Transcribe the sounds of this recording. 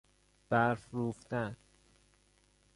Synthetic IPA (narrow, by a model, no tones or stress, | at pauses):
b̥æɾfɾuːft̪æn